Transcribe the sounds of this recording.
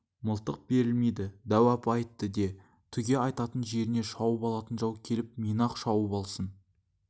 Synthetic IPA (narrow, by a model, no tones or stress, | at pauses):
məlˠt̪əq̚be̞ɾɪlmejd̪ɪd̪æwæpɑjt̪ːəd̪e̞ | t̪ʰʏɡʲe̞ɑjt̪ɑt̪ənʒe̞ɾɪne̞ʃɑwəpɑlˠɑt̪ənʒɑwkʲʰe̞lɪp̚mijnɑqʃɑwəpɑlˠsən